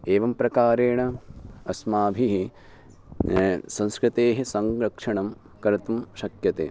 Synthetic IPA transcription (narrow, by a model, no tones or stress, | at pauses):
eːʋɐmpɾɐkaːɾeːɳɐɐsmaːbʱiɦi | sɐ̃nskɾɪt̪eːɦisɐŋɾɐkʂɐɳɐm | kɐɾɐt̪umʃɐkjɐt̪ḛː